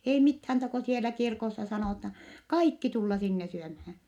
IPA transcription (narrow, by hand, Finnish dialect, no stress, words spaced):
ei mithæːn tɑ ko sielæ kirkosːɑ sɑnoˑtɑ kɑikːi tulːɑ sinːe syømhæː